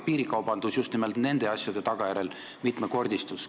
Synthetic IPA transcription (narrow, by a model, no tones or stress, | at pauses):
piːɾikɑwb̥ɑnd̪̥usjust̪nimelt̪ne̞nd̪̥e̞ɑsʲjɑd̪̥e̞t̪ɑɡ̥ɑjæɾe̞l | mit̪ˑmeko̞rd̪ʲist̪us